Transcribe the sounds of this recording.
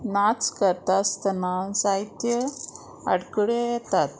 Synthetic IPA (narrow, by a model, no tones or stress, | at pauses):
nat͡skəɾt̪ast̪ənansait̪jə | a̰ɽkɽejɛt̪at̪